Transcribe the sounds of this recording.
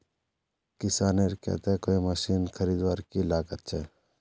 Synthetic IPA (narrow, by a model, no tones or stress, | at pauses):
kɪsaːneɾkɛ̰t̪ɛkoːiməsiːnkʰəɾiːd̪ʋaːɾkilaːɡət̪̚t͡ʃʰɛ